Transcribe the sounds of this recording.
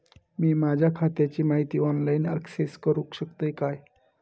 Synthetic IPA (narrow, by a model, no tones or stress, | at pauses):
miːmad͡ʑʱakʰat̪jat͡ɕiːmaɦit̪iːɔnlainə̰kseskəɾukɕəkt̪əjkaj